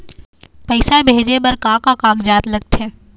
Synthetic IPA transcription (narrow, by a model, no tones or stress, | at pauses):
pəɪsabʱeːd͡ʒebɐɾkãːkakãːɡd͡ʒaːt̪lɐɡ̚t̪ɛː